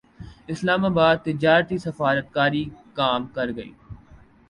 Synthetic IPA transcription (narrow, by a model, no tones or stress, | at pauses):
ɪslaːmaːbaːd̪̚t̪ɪd͡ʒaːɾt̪isɐfaːɾət̪̚kaːɾikaːmkɐɾɡɐḭː